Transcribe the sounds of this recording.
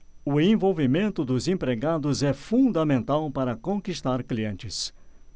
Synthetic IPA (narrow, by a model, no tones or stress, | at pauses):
ʊẽvowvimẽnt̪ʊd̪ʊzẽpɾeɡad̪ʊzɛfũd̪ɐmẽnt̪awpaɾɐkõkist̪aɾkliẽnt͡ʃɪs